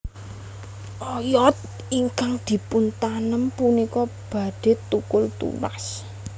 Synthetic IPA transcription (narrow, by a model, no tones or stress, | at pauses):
ʔɔjɔt̪̚ | iŋkaŋd̪̥i̤pʊnt̪anəmpunikɔb̥a̤ɖ̥e̤t̪ukʊlt̪ṵla̰s